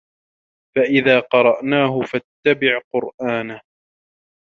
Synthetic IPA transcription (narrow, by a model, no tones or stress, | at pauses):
faʔɪðaːqɑɾˤɑʔnaːɦʊfat̪ːabɪʕqʊɾʔaːnah